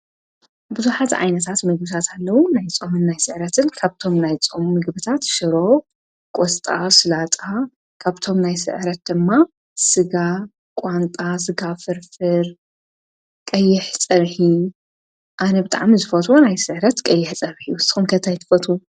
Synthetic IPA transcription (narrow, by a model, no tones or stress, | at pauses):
bɨzuħat̪ʕa̰jnɐt̪ʰat̪mɨɡ̚bɨt̪ʰat̪ʰalːɐwunajt͡sʼomɨnːajsɨʕɾɐt̪ʰɨnkʰaβt̪ʰo̞mnajt͡sʼommɨɡbɨt̪ʰat̪ʃɨɾo̞ | kʼost̪ʼasɨlat̪ʼa | kʰaβt̪ʰo̞mnajsɨ̰ʕɾɐt̪̚d̪ɨmːa | sɨɡa | kʼwant̪ʼasɨɡafɨɾfɨɾ | kʼɐjːɪħt͡sʼɐβħi | ʔanɐbɨt̪ʼa̰ʕmizɨfɐt̪ʼwonajsɨʕɾɐt̪kʼɐjːɪħt͡sʼɐβħiusɨxumkʰɐt̪ʰajt̪ʰɨ̥fɐt̪ʰʼu